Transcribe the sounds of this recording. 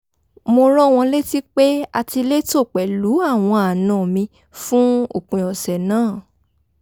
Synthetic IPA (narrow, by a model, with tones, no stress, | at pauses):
mo˧ɾɔ˦w̃ɔ̃˧le˦ti˦k͡pe˦a˧ti˧le˦to˦˨k͡pɛ˨lu˨˦a˦˨w̃ɔ̃˧a˨nã˨mĩ˧ | fũ˦o̰˦˨kũ˨ɔ˨sɛ˨nãː˦˨